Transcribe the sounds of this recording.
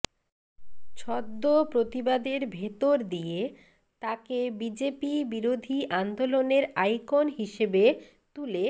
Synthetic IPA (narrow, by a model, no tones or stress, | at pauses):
t͡ɕʰɔd̪ːopɾot̪ibad̪eɾbʱet̪oɾd̪ije | t̪akebid͡ʑepibiɾod̪ʱiʔand̪oloneɾajkonɦiʃebe | t̪ule